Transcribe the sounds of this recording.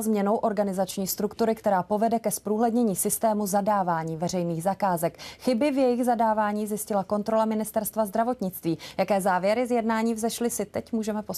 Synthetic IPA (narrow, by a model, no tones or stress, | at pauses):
zmɲɛno̞wʔo̞ɾɡanɪzat͡ʃɲiːst̪ɾukt̪uɾɪkt̪ɛɾaːpo̞vɛdɛkɛspɾuːɦlɛdɲɛɲiːsɪst̪ɛːmuzadaːvaːɲiːvɛrɛjniːɣzakaːzɛkxɪbɪvjɛjɪɣzadaːvaːɲiːzjɪscɪlako̞nt̪ɾo̞lamɪnɪst̪ɛɾst̪vazd̪ɾavo̞t̪ɲɪt͡st̪viːjakɛːzaːvjɛɾɪzjɛdnaːɲiːvzɛʃlɪsɪt̪ɛcmuːʒɛmɛpos